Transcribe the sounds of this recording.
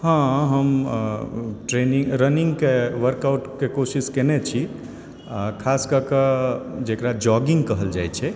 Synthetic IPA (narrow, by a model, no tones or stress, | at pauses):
hãɦəm | ʈɾeniŋɾəniŋɡkeʋəɾkawʈkekosiskenet͡ʃʰi | kʰaskəkəd͡ʒekɾad͡ʒɔɡiŋkəɦəld͡ʒajt͡ʃʰɛ